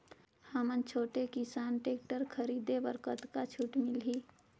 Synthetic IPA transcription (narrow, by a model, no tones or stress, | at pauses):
həmənt͡ʃʰoːʈekɪsaːnʈeːk̚ʈəɾkʰəɾiːd̪ebəɾkət̪kat͡ʃʰuːʈmɪlɦiː